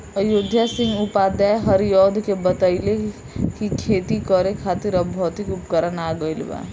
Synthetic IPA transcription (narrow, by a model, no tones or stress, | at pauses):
əjʊd̪ʱjasɪ̃ŋɡʊpaːd̪aɦɐɾjɔːd̪ʱkebət̪əɪle | kikʰeːt̪ikɔːɾekʰaːt̪ɪɾɐbbʱɔːt̪ikʊpkəɾənaːɡəɪlba̰